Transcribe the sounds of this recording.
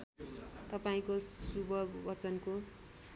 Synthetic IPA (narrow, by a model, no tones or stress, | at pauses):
t̪ʌpaĩkosubʱʌbʌt͡sʌnko